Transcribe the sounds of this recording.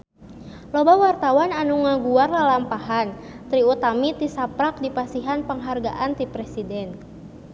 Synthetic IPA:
lɔbawart̪awananuŋaɡuarlalampaɦan | t̪ɾiut̪amit̪isapɾak̚dipasiɦanpəŋɦarɡaʔant̪ipɾɛsidɛn

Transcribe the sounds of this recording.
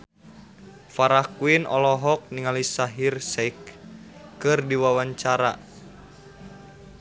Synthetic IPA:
faɾahkuinɔ̰lɔɦɔk̚niŋalisaɦirsɛikː | ɨrdiwawaɲt͡ʃaɾa

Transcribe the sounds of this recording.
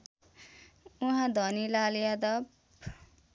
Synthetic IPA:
uɦãd̪ʱʌnilaljad̪ʌb

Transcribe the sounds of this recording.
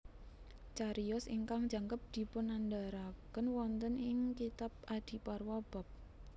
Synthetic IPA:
t͡ʃaɾiɔsiŋkaŋ̥d͡ʒ̥a̤ŋkəp̚d̪̥i̤pʊnand̪aɾakənwɔnt̪ənɪŋkit̪ap̚ʔad̪̥i̤parwab̥a̤p̚

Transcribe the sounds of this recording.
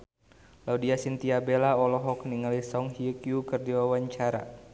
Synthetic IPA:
laudiasint̪iabelaɔlɔɦɔkniŋalisɔŋhiəkjukɨrdiwawaɲt͡ʃaɾa̰

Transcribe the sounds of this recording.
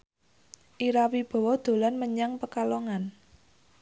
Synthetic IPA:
ʔiɾawib̥ɔ̤wɔd̪̥o̤lanməɲaŋpəkalɔŋan

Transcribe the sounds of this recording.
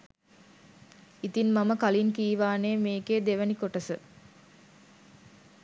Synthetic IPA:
it̪inmaməkalinkiːʋaːneːmeːkeːd̪eʋənikoʈəsə

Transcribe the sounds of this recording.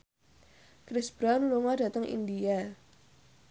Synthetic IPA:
kɾɪsb̥ɾanluŋada̤t̪əŋʔḭndia

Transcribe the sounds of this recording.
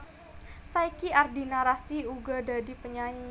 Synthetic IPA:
sajkiardinaɾast̪iuɡadadipəɲaɲi

